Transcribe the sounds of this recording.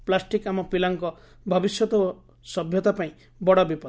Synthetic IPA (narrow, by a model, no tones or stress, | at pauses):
plasʈikamɔpilaŋkɔ | bʱɔbisjɔt̪ɔ | sɔbʱjɔt̪apaĩ | bɔɽɔbipɔ